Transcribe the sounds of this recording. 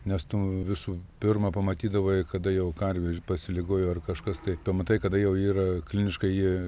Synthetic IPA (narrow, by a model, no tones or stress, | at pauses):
nʲɛst̪uːʋʲɪsuːpʲɪrmɐpɐmɐt̪ʲiːd̪ɐʋoːɪkɐd̪ɐjɛʊkɐrʲʋʲepɐsʲɪlʲɪɡoːjoːɐrkɐʃkɐst̪ɐɪpɐmɐt̪ɐɪkɐd̪ɐjɛʊiːrɐklʲɪnʲɪʃkɐɪi